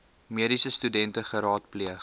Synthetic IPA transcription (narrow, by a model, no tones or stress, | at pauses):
miəɾisəstydɛntəχəɾɑːt̚pliəχ